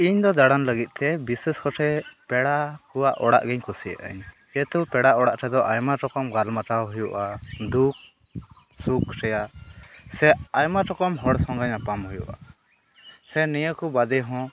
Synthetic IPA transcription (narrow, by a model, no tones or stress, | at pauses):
iɲd̪ɔd̪aɽanləɡit̪̚ˀt̪ɛbisɛskɔʈʰɛpɛɽakuwaʔɔɽa̰ʔɡɛɲkusijə̰ʔa̰ɲ | kɛt̪upɛɽaʔɔɽaʔʈʰɛd̪ɔʔajmaʈɔkɔmɡalmaʈawɦujuʔad̪uk̚ | sukʰʈɛjaʔsɛajmaʈɔkɔmɦɔɽsɔŋɡaɲapamhujṵʔa̰ | sɛnɛjəkubad̪ɛɦɔ̃